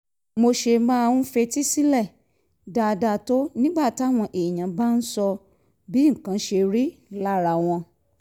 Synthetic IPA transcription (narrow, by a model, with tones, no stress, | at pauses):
mo˧ʃe˧mãː˦˧wũ˧˦fe˧ti˦si˦lɛ˦˨ | da˧da˧˨to˦nĩ˦ɡ͡ba˦˨ti˨˦a˦˨w̃ɔ̃˧ʔe˨j̃ã˨˦ba˦n̩˦sɔ˧ | bi˨˦ŋ̩˨kã˨˦ʃe˧ɾi˦la˦ɾa˧˨w̃ɔ̃˧